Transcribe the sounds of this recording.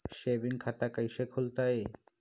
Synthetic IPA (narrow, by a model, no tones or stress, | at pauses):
ʃebiŋkʰat̪akajʃekʰolt̪ae